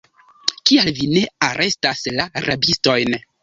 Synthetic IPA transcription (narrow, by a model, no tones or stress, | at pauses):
kialvine̞aɾʔe̞staslaɾʔabisto̞jn